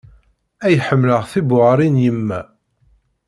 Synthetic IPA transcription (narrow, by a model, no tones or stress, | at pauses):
æjħəmːləʁθibʊʁɾˤinjəmːæ